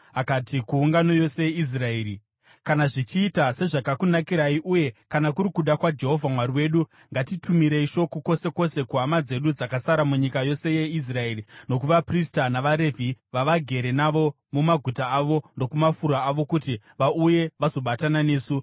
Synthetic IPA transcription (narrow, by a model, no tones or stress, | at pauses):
akatikuːŋɡano̞jo̞se̞jeis̬rae̞ːɾi | kanaʐit͡ʃiːtase̞ʐakakunakiɾaiʔuje̞kanakuɾikuɗakwad͡ʒe̞ɦo̞vʱamwaɾiwe̞ɗu | ŋɡatitʰumiɾe̞iʃo̞koko̞se̞ko̞se̞kuɦamad͡ze̞ɗud͡zakasaɾamuɲikajo̞se̞je̞is̬rae̞rino̞kuʋapristanaʋaɾe̞vʱiʋaʋaɡʱe̞ɾe̞naʋo̞ | mumaɡʱutaːʋo̞ndo̞kumafuɾaːʋo̞kuti | ʋauje̞ʋazo̞ɓatanane̞ːsu